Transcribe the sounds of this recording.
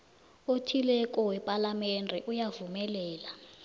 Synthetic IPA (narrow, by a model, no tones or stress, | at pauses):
otʰilɛk̬ʼɔwɛpʼalamɛndʱɛʔujavumɛlɛːla